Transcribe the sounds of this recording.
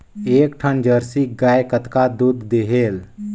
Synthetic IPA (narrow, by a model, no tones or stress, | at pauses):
eːkʈʰənd͡ʒəɾsiɡaːjkət̪kad̪ud̪ːeɦeːl